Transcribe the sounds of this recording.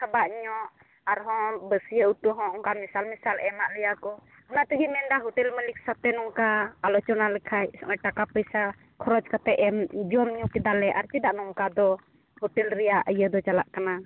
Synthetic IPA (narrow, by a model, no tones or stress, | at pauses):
kʰabaʔɲɔʔ | aɾɦɔ̃bəsijəuʈuɦɔ̃ɔŋkamisalmisalɛmaʔlɛjakɔ | ɔnat̪əɡimɛndaɦɔʈɛlməlik̚sat̪ɛnɔŋkaalɔt͡ʃɔnalɛkʰajsɔʔɔʈakapəjsa | kʰɔɾɔd͡ʒkat̪ɛʔɛmd͡ʒɔmɲɔkɛd̪alɛʔaɾt͡ʃɛd̪aʔnɔŋkad̪ɔ | hɔʈɛlɾɛjaʔəjəd̪ɔt͡ʃalaʔkana